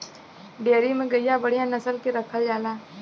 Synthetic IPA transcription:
ɖeːɾimẽɡɐijabɐɽ̤ijãnɐsəlkeɾɐkʰad͡ʒaːlaː

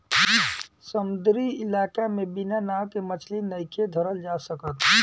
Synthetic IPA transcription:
səmud̪ɾiɪlakamebinanawkemət͡ʃʰlinəjkʰed̪ʱəɾəld͡ʒasəkət̪ɦũ

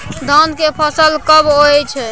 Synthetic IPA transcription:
d̪ʱɔnkepʰəsəlkəboɛt͡ʃʰɛ

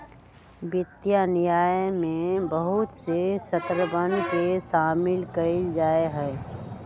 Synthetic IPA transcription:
bɪt̪ːjanɪjaːjmẽbəɦʊt̪sesət̪ɾəbənkeʃaːmɪlkəɪld͡ʒaːeɦɛː

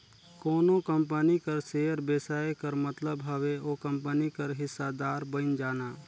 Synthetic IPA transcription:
koːnõkə̃mpənikɐɾseːjəɾbeːsaːekɐɾmɐt̪ləbɦɐʋeoːkɐ̃mpənikɐɾɦɪsːad̪aːɾbənd͡ʒaːnaː

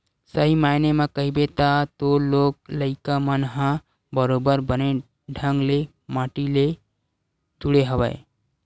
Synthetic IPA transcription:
səɦimajnemãkəɦibet̪at̪olokləɪkamənɦã | bəɾobəɾbəne | ɖʱə̃ŋɡle | maʈile | d͡ʒ̪uɽeɦəbə̰e

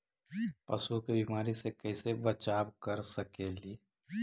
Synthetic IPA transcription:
pɐsukebimaːɾisekɐɪsebɐt͡ʃaːbkɐɾsəkeːliː

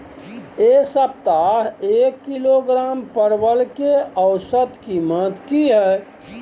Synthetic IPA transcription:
eːsəb̚t̪aɦeːkːiloɡɾaːmpəɾbəlkeəʊsəd̪kimət̪kiɦɛ

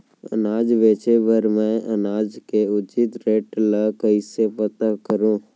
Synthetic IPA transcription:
ə̰naːd͡ʒʋeːt͡ʃebəɾmɛ̃ənaːd͡ʒkeʊt͡ʃɪt̪ɾeːʈləkəisepət̪akəɾũː

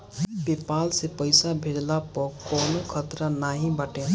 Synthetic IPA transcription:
pepaːlsepəɪsabʱeɽlapɔkɔːnokʰət̪ɾanaːɦĩbəʈẽ

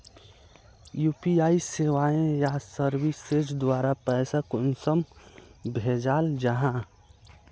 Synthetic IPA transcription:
juːpiaːiseːʋaːẽjasəɾwɪsed͡ʒd̪waːɾapɛːsakʊnsəmbʱed͡ʒaːld͡ʒəɦã

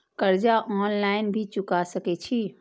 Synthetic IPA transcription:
kəɾd͡ʒaʔɔnlaɪnbʱit͡ʃukasəkɛt͡ʃʰi

